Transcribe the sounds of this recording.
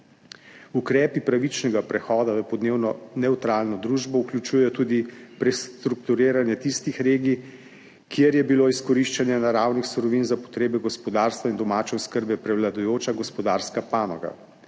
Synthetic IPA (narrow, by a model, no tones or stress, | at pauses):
ukɾɛːpipɾaʋit͡ʃnɛɡapɾɛxɔːd̪aʋəpɔd̪neːwnɔnɛwt̪ɾaːlnɔd̪ɾuːʒbɔuklʲut͡ʃuːjɛjɔt̪uːd̪ipɾɛst̪ɾukt̪uɾeːɾanjɛt̪ist̪ixɾeːɡi | kjeɾjɛbiloːiskɔɾiʃt͡ʃanjɛnaɾaːwnixsuɾɔʋinzapɔ̥t̪ɾeːbɛɡɔspɔd̪aːɾst̪ʋaind̪ɔmaːt͡ʃɛɔskəɾbɛpɾɛwlad̪ujoːt͡ʃaɡɔspɔd̪aːɾskapaːnɔɡa̰